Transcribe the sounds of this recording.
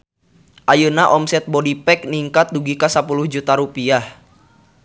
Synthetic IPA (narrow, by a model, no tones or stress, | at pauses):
ʔajunaʔɔmsɛt̪̚bɔdipɛk̚niŋkat̪̚duɡikasapuluhd͡ʒut̪aɾupiah